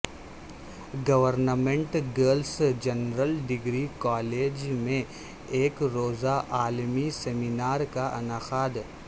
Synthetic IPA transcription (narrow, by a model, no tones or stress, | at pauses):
ɡɐʋəɾnəmẽɳʈɡəːlsd͡ʒɐnɾəlɖɪɡɾikaːleːd͡ʒmẽ | eːkɾoːzaʔaːlmiseminaːɾkaʔɐ̰naːxaːd̪